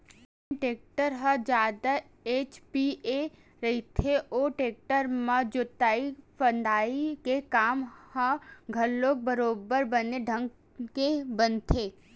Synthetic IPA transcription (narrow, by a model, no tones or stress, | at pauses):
ʈeːk̚ʈəɾɦəd͡ʒaːd̪a | eːt͡ʃpie | ɾɐit̪ʰeoːʈeːk̚ʈəɾmãd͡ʒʊt̪aːipənd̪ʱaːikekaːmhəɡʱɐlːoːk̚bəɾoːbəɾbəneɖʱə̃ŋɡ | kebənt̪ʰeː